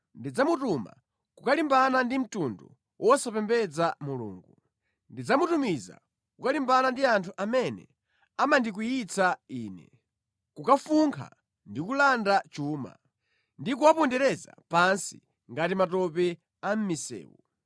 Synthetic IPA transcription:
ndid͡zamutuma̰ | kukalimbanandim̩tundu | wʔɔsapɛmbɛd͡zamulṵːŋɡu | ndid͡zamutumiza̰ | kukalimbanandiantʰuʔamɛnɛ̰ | amandik̬ujit͡sʰaiːnɛ̰ | kukafuŋkʰa̰ | ndikulandat͡ʃuːma̰ | ndikuwapɔndɛɾɛza̰pansi | ŋɡatimatɔpɛ | am̩misɛ̰ːwu

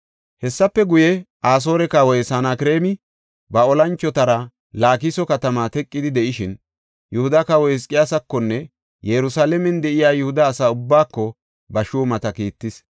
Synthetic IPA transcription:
hɛsːɐpːɛɡʊjɛ | aːs̬o̞ːɾɛkɐwɔjsanakɾe̞ːmɪ | bɐɔlɐnt͡ʃːɔt̪ɐɾɐ | laːkɪsɔkɐt̪ɐmaːt̪ɛkʼːɪd̪ɪd̪ɛʔɪʃɪn | jʊhʊd̪ɐkɐwɔɛs̬kʼɪjaːsɐkːɔnːɛ | jɛɾʊsaːlɛmɛnd̪ɛʔɪjaːjʊhʊd̪ɐːsaːʊbːaːkːɔ | bɐʃuːmɐt̪ɐkiːt̪ːɪs

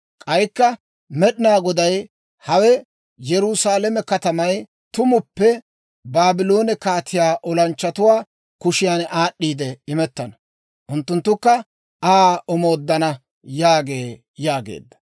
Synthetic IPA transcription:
kʼɐjkːɐ | mɛɗɪnaːɡɔd̪ɐj | hɐwɛ | jɛɾʊsaːlɛmɛkɐt̪ɐmɐj | t̪ʊmʊpːɛ | baːbɪloːnɛkaːt̪ʰːɪjaːʔɔlɐnt͡ʃːɐt̪ʊwaː | kʊʃɪjaːnaːɗːiːd̪ɛɪmɛt̪ːɐnɐ̥ | ʔʊnt̪ːʊnt̪ːʊkːɐ | ʔaːɔmo̞ːd̪ːɐnɐ | jaːɡe̞ː | jaːɡḛːd̪ːɐ̥

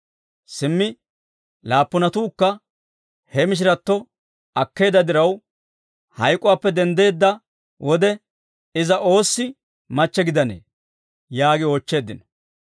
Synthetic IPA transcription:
sɪmːɪ | laːpːʊnɐt̪uːkːɐ | hɛmɪʃ̬ɪɾɐt̪ːɔ | ɐkːe̞ːd̪ɐd̪ɪɾɐw | hɐjkʼɔwaːpːɛd̪ɛnd̪e̞ːd̪ːɐ | wʔɔd̪ɛ | ɪzɐʔo̞ːsːɪ | mɐt͡ʃːɛɡɪd̪ɐnḛː | jaːɡɪoːt͡ʃːe̞ːd̪ːɪnɐ̥

